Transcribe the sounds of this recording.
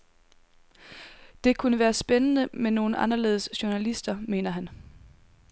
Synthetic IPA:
d̥e̝kʰunəʋæːɐsb̥enənəmeno̝ːn̩ɑ̈nɐle̝̰ːð̞ˠəsɕonælisd̥ɐme̝̰ːnɐɦæn

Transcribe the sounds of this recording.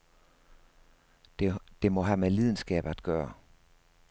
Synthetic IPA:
d̥e̝mɒ̽ɦæmelið̞ˠn̩sɡ̥ɛ̰ːb̥æd̥̚ɡ̥ɶːɐ

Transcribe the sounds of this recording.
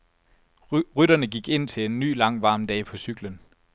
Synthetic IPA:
ʁyd̥ɐnəɡ̥iɡ̥e̝n̰t͡sʰe̝le̝nːy̰ːlɑ̈ŋ̰ʋɑ̈ːmd̥ɛ̰ːpʰɒ̽syɡ̥lən

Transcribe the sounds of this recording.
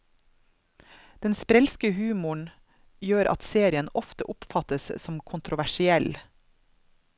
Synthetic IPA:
d̪̥ɛnspɾɛlskəhʉːmʊɳ | jøːɾʔɑ̰t̪seːɾɪənɔft̪əʔʊpfɑt̪əssɔmkʰʊnt̪ɾʊʋæʃɪɛl

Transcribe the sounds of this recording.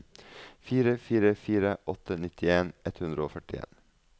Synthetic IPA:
fiːɾəfiːɾəfiːɾəʔɔt̪ʰənɪt̪ʰɪeːnɛt̪hʉnd̪ɾəoːfœʈɪḛːn

